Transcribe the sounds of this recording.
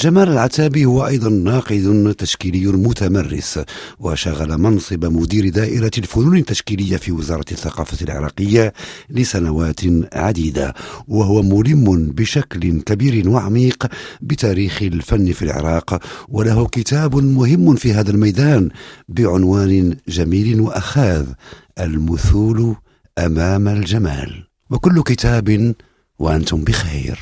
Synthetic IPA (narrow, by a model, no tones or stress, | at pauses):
ʒamæːləlʕat̪æːbihʊwːaʔɑjd̪ˤɑnːɑːqɨd̪ʊt̪aʃkilɪjːʊmʊt̪amarːɪ̰swa̰ʃaɣalamɑnsˤɨbamʊd̪iːɾd̪æːʔɪɾalfʊnunət̪ːaʃkiləjːafiwɪzɑːɾˤɑt̪θːɑqɑːfat̪lʕɪ̰ɾˤɑ̰qəjːalɪsænawæːt̪nʕad̪iːd̪a̰waɦʊwamʊlɪmːʊnbɪʃaklɪnkabiːɾɪnwaʕamiːqbɪt̪æːɾiːxɪlfanːfilʕɪ̰ɾˤɑːqwalaɦʊkɪt̪æːbʊnmʊhɪmːʊnfiɦæːd̪almajd̪aːnbɪʕʊnwaːnɪʒæmiːlɪnwaʔaxaːð | ʔalmʊθuːl | ʔamæːmalʒamæ̰ːl | wakʊlːʊkɪt̪æːbn | waʔant̪ʊmbəxajɾ